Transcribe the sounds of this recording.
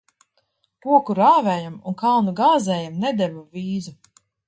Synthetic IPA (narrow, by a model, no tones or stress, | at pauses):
kuɔkuɾaːvɛːjamunkalˠnuɡaːzɛːjamnɛd̪ɛvuviːzu